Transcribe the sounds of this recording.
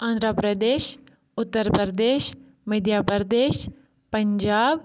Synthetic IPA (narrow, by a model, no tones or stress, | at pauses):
ãːnd̪ɾəpɾəd̪eːʃ | ʊt̪ːəɾpɾd̪eːʃ | məd̪jaːpəɾd̪eːʃ | pəɲd͡ʒaːb